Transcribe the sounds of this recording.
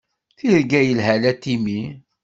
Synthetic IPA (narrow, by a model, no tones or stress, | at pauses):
θiɾɡæjəlɦælæt̪ːimi